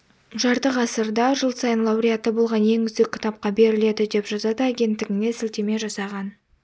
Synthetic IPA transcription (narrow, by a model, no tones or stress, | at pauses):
ʒɑɾt̪əqɑsəɾd̪ɑʒəlˠsɑjənlˠɑwɾijat̪ːəbo̞lˠʁɑnje̞ŋʏzd̪ekʲʰːɪ̥t̪ɑp̚qɑbe̞ɾɪle̞d̪ɪd̪e̞pʒɑzɑd̪əaɡʲe̞nt̪ːɪɡʲɪŋne̞sɪlt̪e̞me̞ʒɑsɑʁɑn